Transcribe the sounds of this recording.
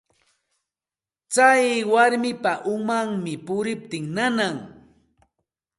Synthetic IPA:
t͡sajwaɾmɪpaʔʊmaŋmɪpʊɾɪp̚t̪ɪŋnanaŋ

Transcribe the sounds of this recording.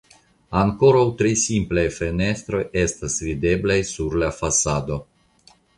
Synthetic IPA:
aŋko̞ɾawtɾisimplajfe̞ne̞st̪ɾo̞je̞stasvide̞blajsuɾlafasado̞

